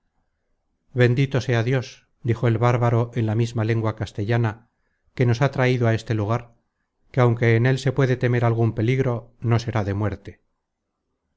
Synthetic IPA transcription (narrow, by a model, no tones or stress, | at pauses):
βe̞nd̪it̪o̞se̞aðjo̞s | d̪ixo̞e̞lβaɾβaɾo̞ʔenlamizmale̞ŋɡwakast̪eʎana | ke̞no̞sat̪ɾaiðoae̞st̪e̞luɣ̞aɾ | keawŋke̞ːne̞lse̞pwe̞ðe̞t̪e̞me̞ɾalɣ̞umpe̞liɣɾo̞no̞se̞ɾaðe̞mwe̞ɾt̪e